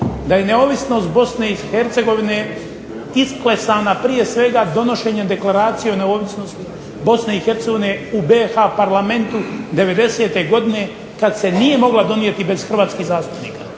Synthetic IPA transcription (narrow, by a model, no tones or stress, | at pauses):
d̪aje̞neo̞ʋisno̞ːst̪̚bo̞sne̞iheɾt̪se̞ɡo̞ʋine̞ | isklesaːnapɾije̞sʋe̞ɡad̪o̞no̞ʃe̞ːɲed̪e̞klˠaɾaːt̪sijeone̞o̞ʋisno̞st̪i | bo̞sne̞ixe̞ɾt̪seɡo̞ʋine̞ubeːxapaɾlame̞nt̪ud̪e̞ʋe̞d̪e̞se̞ːt̪e̞ɡo̞d̪ine̞ | kad̪se̞nije̞mo̞ɡlˠad̪o̞nije̞t̪ibe̞z̥xr̩ʋaːt̪skiːhzaːst̪u̥pnḭːka